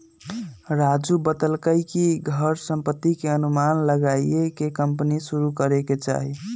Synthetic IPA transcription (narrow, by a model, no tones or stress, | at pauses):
ɾad͡ʒubət̪əlkəjkiɡʱəɾsəmpət̪ːikeənumanləɡaiekekəmpnisuɾukəɾeket͡ʃa̰ɦi